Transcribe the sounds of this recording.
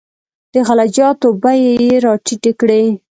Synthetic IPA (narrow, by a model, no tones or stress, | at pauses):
d̪̥əɣalad͡ʒɑt̪obajejeɾɑʈiʈekɽe